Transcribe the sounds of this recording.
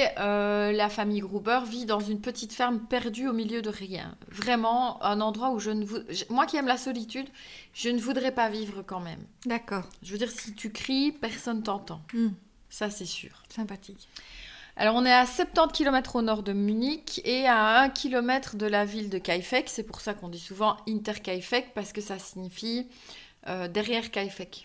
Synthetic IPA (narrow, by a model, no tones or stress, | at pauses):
ølafamijɡʁubœʁvid̪ɑ̃zynpət̪it̪fɛʁmpɛʁd̪yomiljød̪əʁjɛ̰̃ | vʁɛmɑ̃ɛ̃nɑ̃d̪ʁwauʒənəvuʒmwakʲiɛmlasɔlit̪yd̪ʒ̥ənəvud̪ʁɛpavivʁəkɑ̃mɛ̰md̪akɔːʁʒəvød̪iʁsit̪ʰykχipɛʁsɔnt̪̬ɑ̃t̪ɑ̃ | sasɛsy̰ːʁsɛ̃pat̪ik | a̰lɔʁɔ̃nɛasɛp̚t̪ɑ̃t̪kʲilɔmɛt̪χonɔʁd̪əmynikeaɛ̃kʲʰilɔmɛt̪χd̪əlavild̪əkajfɛksɛpuʁsakɔ̃d̪isuvɑ̃int̪ɛʁkajfɛkpaʁsə̥kəsasiɲifi | ød̪ɛʁjɛʁkajfɛk